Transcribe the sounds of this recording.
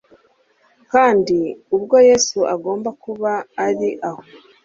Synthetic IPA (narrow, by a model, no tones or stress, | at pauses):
kaːndiubɡo̞jesuʔaɡo̞ːmbakuβaːɾiʔaho̞